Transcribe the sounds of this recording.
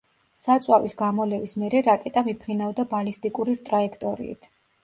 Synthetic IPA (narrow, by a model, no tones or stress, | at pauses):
sat̪sʼwavisɡamɔlɛvismɛɾɛɾakʼɛt̪ʼamipʰɾinavd̪abalist̪ʼikʼuɾiɾt̪ʼɾaɛkʰt̪ʼɔɾḭːt̪ʰ